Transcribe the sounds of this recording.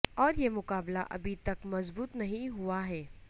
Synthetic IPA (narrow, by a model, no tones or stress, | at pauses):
ɔːɾjemʊkaːbla̰ʔɐ̰bʱit̪ɐkmɐzbuːt̪nɐɦĩɦuaɦɛː